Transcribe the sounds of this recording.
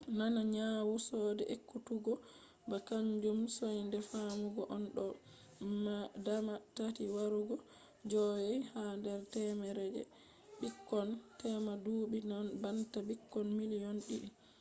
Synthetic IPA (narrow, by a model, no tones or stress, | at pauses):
nanaɲawusɔːdɛʔekːutuɡɔ | bakaɲd͡ʒumsojndɛfamuɡɔʔɔnɗɔ | madamatatiwaɾuɡɔ | d͡ʒɔjɛjhandɛɾtɛmɛɾɛd͡ʒɛ̰ | bikːɔntɛmaduːɓinanbantabikːɔnmilijɔnɗiɗ